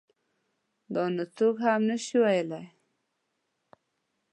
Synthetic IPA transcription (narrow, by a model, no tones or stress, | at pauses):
d̪onot̪oɡhamnəʃiwajəlaj